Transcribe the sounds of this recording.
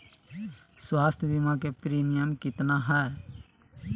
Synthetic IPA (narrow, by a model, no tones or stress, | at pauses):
swaːst̪ʰjbimakepɾiːmijəmkɪt̪naɦɛe